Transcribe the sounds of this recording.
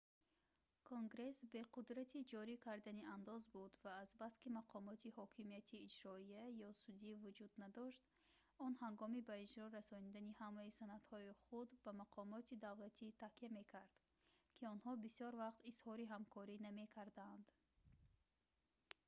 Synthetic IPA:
kʰoŋɡɾe̞sbe̞qud̪ɾat̪ʰid͡ʒɔɾikʰaɾd̪aniand̪ɔzbud̪vaːzbaskimaqʰɔmɔt̪ʰihɔkʰimijat̪ʰiːd͡ʒɾɔijajɔsud̪ivud͡ʒud̪nad̪ɔʃt̪ | ɔnhaŋɡɔmibaid͡ʒɾɔɾasɔnid̪anihamaisanad̪hɔiχud̪bamaqʰɔmɔt̪ʰid̪avlat̪ʰit̪ʰakiame̞kʰaɾd̪̥ | kʰiɔnhɔbisjɔɾvaqt̪iz̥hɔɾiɦamkʰɔɾiname̞kʰaɾd̪and̪

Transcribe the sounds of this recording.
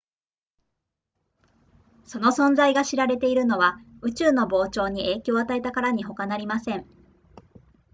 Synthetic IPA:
so̞no̞sõ̞nd͡zaiɡaɕiɾaɾe̞t̪e̞iɾɯ̟no̞βaɯ̟t͡ɕɨːno̞bo̞ːt͡ɕo̞ːɲ̟iʔe̞ːkʲo̞ːat̪ae̞t̪akaɾaɲ̟iɦo̞kanaɾʲimasẽ̞ŋ

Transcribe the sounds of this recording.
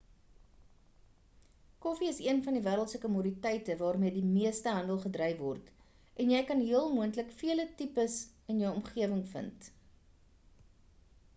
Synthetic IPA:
kɔfiəsiənfɐndivæːɾəlˠtsəkəmuːɾitɛjtəvɑːrmiədimiəstəɦɐndəlˠχədrɛjvɔrt | ɛnjɛjkɐnɦiəlˠmuəntləkfiələtipəs | ənjəwɔmχiəvəŋfə̰nt

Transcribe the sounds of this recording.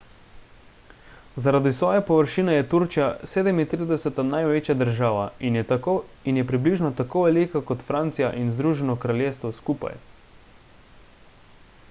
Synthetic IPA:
zaɾad̪isʋɔːjɛpɔʋəɾʃinɛjɛt̪uɾt͡ʃijaseːd̪ɛmint̪ɾid̪ɛsɛt̪anajʋeːt͡ʃjad̪əɾʒaːʋa | injɛpɾibliʒnɔt̪akoːʋɛlikakɔt̪fɾaːnt̪sijaʔinzd̪ɾuːʒɛnɔkɾaljeːst̪ʋɔskuːpa̰j

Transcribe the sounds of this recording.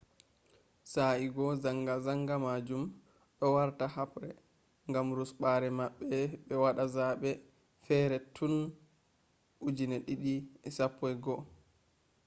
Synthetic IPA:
saiɡɔzaŋɡazaŋɡamad͡ʒum | ɗɔwaɾtahapɾɛ | ŋɡamɾusɓaɾɛmaɓːɛɓɛwaɗazaɓɛ | fɛːɾɛtʰun | ʔud͡ʒinɛɗiɗiɛsapːɔjɡɔ

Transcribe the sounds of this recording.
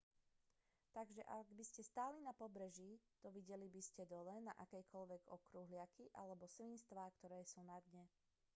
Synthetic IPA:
t̪aɡʒɛʔaɡbiscɛst̪aːlinapɔbɾɛʒiːt̪ɔʋiɟɛlibiscɛd̪ɔlɛna̰ʔakɛjkɔlʋɛɡɔ̰kɾuɦlɪakiʔa̰lɛbɔslinst̪ʋaːkt̪ɔɾɛːsuːnad̪ɲɛ

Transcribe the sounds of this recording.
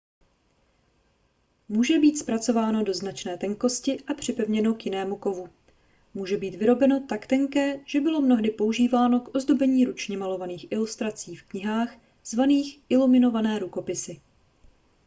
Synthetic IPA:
muːʒɛbiːt̪spɾat͡so̞vaːno̞do̞znat͡ʃnɛːt̪ɛŋko̞scɪʔapr̝̥ɪpɛvɲɛno̞kjɪnɛːmuko̞vu | muːʒɛbiːt̪vɪɾo̞bɛno̞t̪akt̪ɛŋkɛːʒ̥ɛbɪlo̞mno̞ɦdɪpo̞uʒiːvaːno̞kʔo̞zdo̞bɛɲiːɾut͡ʃɲɛmalo̞vaniːxʔɪlust̪ɾat͡siːfkɲɪɦaːx | z̥vaniːxʔɪlumɪno̞vanɛːɾuko̞pɪsɪ

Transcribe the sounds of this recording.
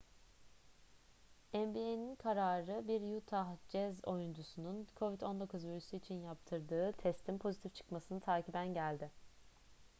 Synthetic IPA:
æmbieninkʰaɾaːɾɯbiɾjut̪ʰahd͡ʒɛzo̞jund͡ʒusununkʰo̞vid̪o̞nd̪o̞kʰuzviɾysuit͡ʃʰinjapt̪ʰɯɾd̪ɯːt̪ʰɛst̪ʰimpʰo̞zit̪ʰift͡ʃʰɯ̥kmasɯnɯt̪ʰaːcʰibænɟælʲd̪ɪ

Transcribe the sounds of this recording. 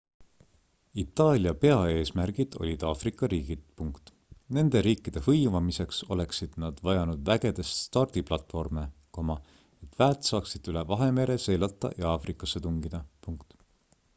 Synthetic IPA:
it̪ːˑɑːlʲiɑpe̞ɑe̞ːsmærɡ̥id̪̥o̞̰lʲid̪̥ɑːfrikːˑɑɾiːɡ̥id̪̥puŋkt̪ | ne̞nd̪̥e̞ɾiːkːid̪̥e̞hɤjvɑmise̞kso̞̰le̞ksid̪̥nɑd̪̥vɑjɑnud̪̥væɡ̥e̞d̪̥e̞st̪st̪ɑrd̪̥iplɑt̪ˑfo̞rme̞komɑ | e̞t̪ːvæːt̪sɑːksid̪̥yle̞vɑɦe̞me̞ɾe̞se̞jlɑt̪ːˑɑ̰jɑɑːfrikːˑɑsːe̞t̪uŋɡid̪̥ɑpuŋkt̪

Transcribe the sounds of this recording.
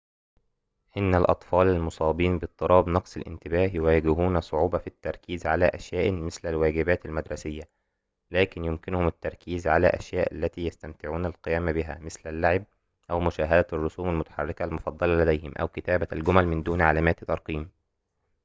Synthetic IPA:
hɪnːælʔɑ̰t̪ˤfɑːlalmʊsˤɑːbiːnbɨt̪ˤːɨɾˤʔɑːbnɑqsˤɪlʔɪ̰nt̪ɪbæːhjʊwæːɡɪhuːnæsˤoʕuːbɑfit̪ːɑɾˤkiːzʕalæːʔæʃjæːʔmɪslælwæːɡɪbæːt̪ælmæd̪ɾˤɑsɪjːæ | læːkɪnjʊmkɪnʊhʊmɪt̪ːɑɾˤkiːzʕalæ̰ːʔæ̰ʃjæːʔa̰lːæt̪iːjæst̪æmt̪ɪʕuːnælqɪjæːmbɪɦæːmɪslælːaʕɪb̚ | ʔæwmʊʃæːɦæd̪ærˤːʊsuːmalmʊt̪ḁħɑ̰rˤːɪkælmʊfɑd̪ˤːɑlɑlæd̪æjhɪmʔæ̰wkɪt̪æːbælɡʊmælmɪnd̪uːnʕalæːmæːt̪t̪ːɑɾˤqiːm

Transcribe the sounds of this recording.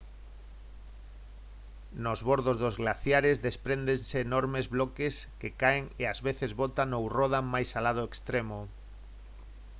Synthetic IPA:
nozβoɾðozðozɣlaθjaɾezðespɾend̪enseːnoɾmezβlɔkeskekaeŋeazβeθezβot̪anowroð̞amajsalað̞ʊekst̪ɾemo

